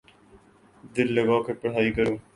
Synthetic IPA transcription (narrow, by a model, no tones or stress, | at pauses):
d̪ɪlːəɡãːkepəɽ̤ɦaːikəɾũː